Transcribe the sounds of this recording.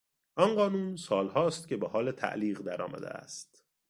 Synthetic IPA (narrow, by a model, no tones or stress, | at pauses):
ʔɒnɢɒːnuːnsɒːlhɒːst̪cʲʰebehɒːlet̪ʰæ̰ʔliːɣd̪æɾɒ̰ːmæ̰d̪ḛæ̰st̪